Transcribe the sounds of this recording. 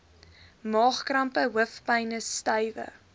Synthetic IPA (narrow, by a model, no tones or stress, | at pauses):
mɑːχkrɐmpəwəfpɐjnəstœjvə̰